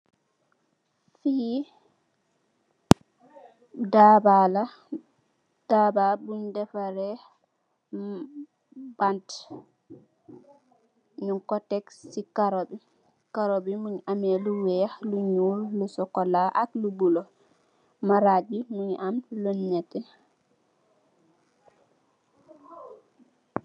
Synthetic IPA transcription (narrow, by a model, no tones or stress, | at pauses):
fi | dabala | d̥ababundɛfaɾɛ | bant | ɲuŋkɔtɛksikaɾobi | kaɾobimuɲʔameluwɛluɲulːusɔkɔlaʔaklubulɔ | maɾad͡ʒimuɲamluɲːɛtːɛ